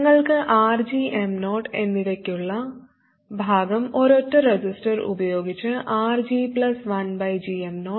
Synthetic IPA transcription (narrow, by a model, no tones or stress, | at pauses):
ŋːɐɭkɨʔaːrd͡ʑiʔemno̞ːʈe̞nːiðɐkʲːuɭːɐ | bʱaːɡɐmo̞ɾo̞tːɐɾed͡ʑisʈɐrṵbɐjo̞ːɡit͡ɕːɨʔaːrd͡ʑipɭɐsʋɐnbɐjd͡ʑiemno̞ː